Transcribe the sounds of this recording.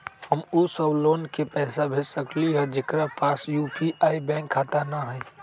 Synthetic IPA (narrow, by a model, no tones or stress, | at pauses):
həmusəbloːnkepɛːsabʱesəkliɦɛd͡ʒekɾapaːsjupiʔaːibɛ̃ŋkʰːat̪anaɦɛ